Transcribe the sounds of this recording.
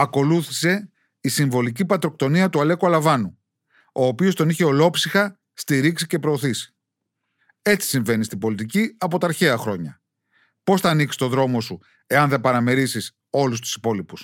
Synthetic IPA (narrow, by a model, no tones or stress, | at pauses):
ɐko̞luθi̥se̞ | isiɱvo̞licipɐt̪ɾo̞k̚t̪o̞niɐt̪uɐle̞kuɐlɐvɐnu | o̞ːpio̞st̪o̞niçe̞o̞lo̞psixɐ | st̪iɾiksice̞pɾo̞ːθisi̥ | e̞t͡si̥siɱve̞nist̪ibo̞lit̪iciɐpo̞t̪ɐːɾçe̞ɐxɾo̞ɲɐ | po̞sθɐːniksi̥t̪o̞ðɾo̞mo̞su | e̞ɐnðepɐɾɐme̞ɾisis | o̞lust̪u̥si̥po̞lipus